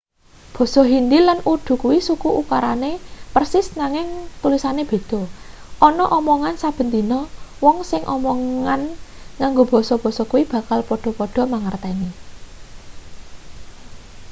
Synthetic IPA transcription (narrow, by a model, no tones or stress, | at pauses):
b̥ɔ̤sɔɦind̪ilanuɖ̪̥ṳkuwisukuʔukaɾanepərsɪsnaŋɪŋt̪ulisaneb̥e̤d̪̥ɔ̤ʔɔnɔʔɔmɔŋansab̥ə̤nt̪inɔwɔŋsɪŋʔɔ̰mɔŋankaŋɡob̥ɔ̤sɔb̥ɔ̤sɔkuwib̥ä̤kalpɔɖ̥ɔ̤pɔɖ̥ɔ̤maŋart̪ɛni